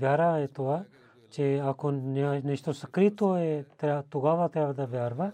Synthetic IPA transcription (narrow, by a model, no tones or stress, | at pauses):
bjaːɾaːet̪oaː | t͡ʃeaːkʰoːnanɪʃt̪oːsəkɾit̪oːet̪at̪ʊɡaːʋat̪ɾaːʋd̪abjaːɾʋaː